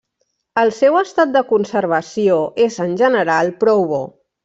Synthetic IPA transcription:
əlˠsɛwəst̪at̪̚d̪əkunsəɾβ̞əsioezənʲʒənəɾalˠpɾɔwβo̰

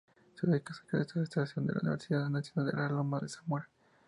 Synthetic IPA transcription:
seðekasḁkelist̪aɾest̪aɾasjond̪ela̰ṵnḭβeɾsiðaðnaɾsjonald̪elalomaðesamwel

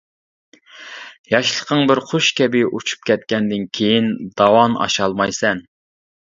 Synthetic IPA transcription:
jɑʃlˠəqʰəŋbɪɾχoʃkʲʰɛbɪʔut͡ʃʰu̥p̚kʲʰɛt̪̚kʲɛnd̪ɪnkʲʰejind̪̥ɑwɑnɑ̰ʃɑlˠmɑjsɛn

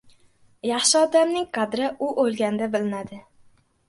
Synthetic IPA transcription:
jɑχʃɪɒd̪amnɪŋqʰɑd̪ɾɪʔʊʔolˠɡʲand̪abɪlɪnad̪ɪ

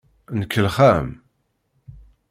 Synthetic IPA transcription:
nəkːəlχæm

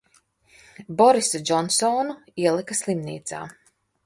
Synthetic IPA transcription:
bɔɾisɐd͡ʒɔnsɔːnuiɛlˠikɐslˠimnḭːt̪sa̰ː

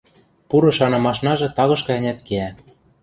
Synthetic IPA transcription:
puɾɤ̆ʃɑnɤ̆mɑʃnɑʒɤ̆t̪ɑɣɤ̆ʃkɤ̆ɘ̆nʲæt̪keæ

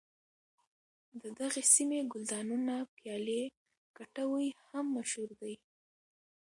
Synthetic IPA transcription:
d̪əd̪aɣesimeɡʊld̪ɑnunapjɑle | kaʈawəjhamːaʃhuɾd̪aj

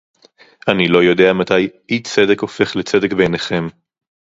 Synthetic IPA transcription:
ʔanilo̞jo̞d̪e̞amat̪ajʔit͡sedeko̞fe̞χlet͡sedekbe̞jneχe̞m

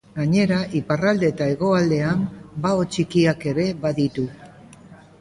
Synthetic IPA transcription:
ɡaɲe̞ɾaʔiparald̪e̞t̪aeɣo̞ald̪e̞ambaot͡ʃikiake̞ɾe̞βaðit̪u

